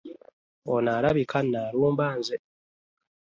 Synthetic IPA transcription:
onaɾaβikʰanːaːɾuːmbaːnze

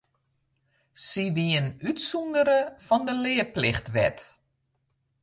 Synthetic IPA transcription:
siʋiənytsundəɾəfɔndəlɪːəplɪxtʋɛ̰t

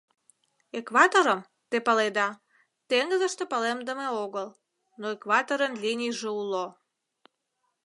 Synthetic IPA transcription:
ekβɑt̪oɾəm | t̪epəled̪ɑ | t̪eŋɡəzəʃt̪epəlemd̪əmeoɣəl | noekβɑt̪oɾənlinʲijʒeulo

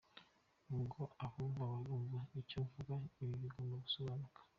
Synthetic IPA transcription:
uŋɡoaβuːɱvaβaɾuːɱvaicoɱvuɡaiβiβiɡonoɡusoβaːnukḁ

